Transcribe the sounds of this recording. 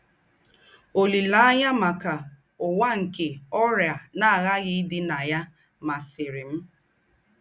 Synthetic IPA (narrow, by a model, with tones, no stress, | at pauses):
o˨li˨la˨˦a˦ɲa˦ma˨ka˨ | ʊ˨wa˦ŋ̩˨ke˨ɔ˦ɾja˨na˦a˨ɣa˦ɣɪ˦dɪ˦na˨ja˦ | ma˨sɪ˨ɾɪ˨m̩˦